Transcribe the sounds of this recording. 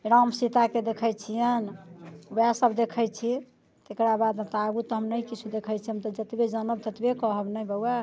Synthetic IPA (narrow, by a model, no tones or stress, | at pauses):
ɾamsit̪aked̪ekʰəjt͡ʃʰijənbjasəbd̪ekʰət͡ʃʰi | t̪ekɾabad̪ɦət̪aɡut̪ɔɦəmnəkit͡ʃʰud̪ekʰəjt͡ʃʰiɦəmt̪ɔd͡ʒət̪bed͡ʒənəb̚t̪ət̪bekɔɦəbnəjbəwa